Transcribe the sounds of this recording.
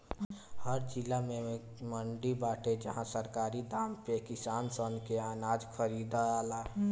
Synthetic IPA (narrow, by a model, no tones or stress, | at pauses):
həɾd͡ʒilamẽ | məɳɖibaːʈed͡ʒəɦãsəɾkaːɾid̪aːmpekɪsaːnsənkeaːnaːd͡ʒkʰəɾid̪aaːlaː